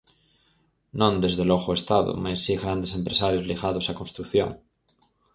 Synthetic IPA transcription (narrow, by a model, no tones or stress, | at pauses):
nõnd̪ezðeloɣoest̪aðo̰masːiɣɾand̪esempɾesaɾjozliɣað̞osakonst̪ɾukθjo̰ŋ